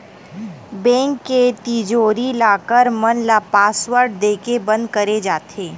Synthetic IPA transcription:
bɛ̃ːŋkːet̪id͡ʒoːɾilaːkəɾmɐnlaːpaːswəɾɖ̚d̪eːkebɐ̃nd̪̚kɐɾed͡ʒaːt̪ʰeː

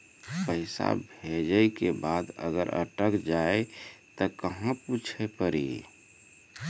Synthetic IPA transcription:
pəɪsa̰bʱed͡ʒəjkebad̪ə̰ɡəɾʔə̰ʈəkd͡ʒaet̪ɔkəɦãput͡ʃʰepəɾḭ

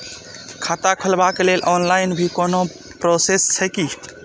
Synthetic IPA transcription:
kʰat̪akʰəlbakelelʔɔnlaɪnbʱikono | pɾosest͡ʃʰəki

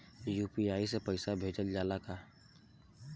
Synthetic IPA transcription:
juːpiaːisepəɪsabʱeːd͡ʒəld͡ʒaːlakaː

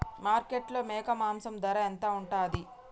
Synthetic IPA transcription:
maːɾkeʈlo̞ːmɛːkɐmaːmsɐmd̪ɐɾɐɛnt̪aːuɳʈaːd̪i

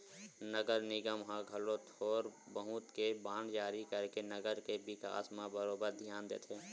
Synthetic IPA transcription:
nəɡəɾnɪɡəmɦãɡʱəlot̪ʰoːɾbəɦʊ̃t̪kebaːnd͡ʒaːɾikəɾkenəɡəɾkebɪka̰ːsmẽbəɾoːbəɾd̪ʱjaːnd̪ḛːt̪ʰɦeː

